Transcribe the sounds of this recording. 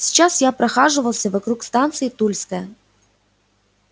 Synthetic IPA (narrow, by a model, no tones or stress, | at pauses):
sʲi̥t͡ɕasjapɾɐxaʐɨvɐlˠsʲɐvɐkɾukst̪ant̪sɨjit̪ulʲsʲkəj